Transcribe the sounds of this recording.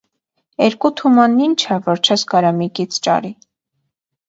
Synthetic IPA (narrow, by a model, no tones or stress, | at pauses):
ɛɾkut̪ʰumɑnːint͡ʃʰɛvɔɾt͡ʃʰɛskɑɾɑmikit͡sʰt͡ʃɑ̰ɾi